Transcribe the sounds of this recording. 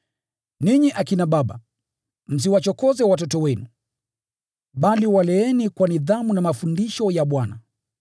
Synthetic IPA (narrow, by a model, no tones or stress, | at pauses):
niɲiʔakinaɓaɓa̰ | m̩s̬iwat͡ʃɔkɔzɛwat̬ɔtɔwɛnu | ɓaliwalɛɛnikwaniðamunamafundiʃɔjaɓwana